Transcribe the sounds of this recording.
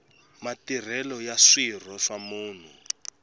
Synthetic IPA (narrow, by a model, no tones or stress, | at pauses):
matir̤ɛlɔjaʂir̤ɔʂamuːn̤u